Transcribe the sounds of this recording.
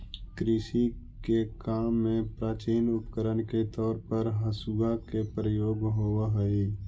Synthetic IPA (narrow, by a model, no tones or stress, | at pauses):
kɾɪʃi | kekaːmːẽpɾaːt͡ʃiːnʊpkəɾənket̪ɔːɾpəɾɦəsuɡakepɾəjoːɡɦoɦəi